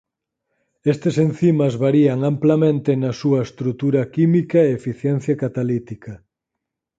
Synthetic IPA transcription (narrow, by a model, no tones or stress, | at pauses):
est̪esen̟θimɐzβaɾiɐŋamplɐmẽnt̪enɐsuɐest̪ɾut̪uɾɐkimikɐeefiθjɛn̟θjakat̪alit̪ikɐ